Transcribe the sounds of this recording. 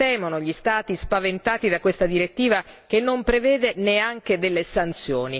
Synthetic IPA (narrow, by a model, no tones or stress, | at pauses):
ɛːmonoʎist̪aːt̪ispavent̪aːt̪id̪akwest̪ad̪iɾet̪ːiːvak̟enːompɾevɛːd̪eneaŋk̟ed̪elːesant̪sjoːni